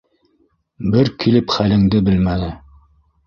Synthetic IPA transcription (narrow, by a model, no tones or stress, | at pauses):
bɘɾkʰilɘpχælɘ̆ŋd̪ɘbɘlmænɘ